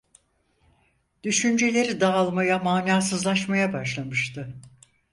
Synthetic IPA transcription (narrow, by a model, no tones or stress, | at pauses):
d̪̥yʃynd͡ʒe̞lʲe̞ɾid̪aːlˠmajamaːnaːsɯzlˠaʃmajabaʃlˠamɯʃt̪ʰɯ